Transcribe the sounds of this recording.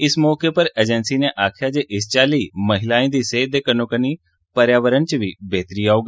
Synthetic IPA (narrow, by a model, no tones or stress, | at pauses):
ɪsmɔːkepəɾeːd͡ʒənsiːneʔaːkʰjaːd͡ʒeʔɪst͡ʃaːliːməɦɪlaːĩːd̪iːseːd̪eːkənokəniː | pəɾjaːʋəɾənt͡ʃʋibeːt̪ɾiːaːoːɡi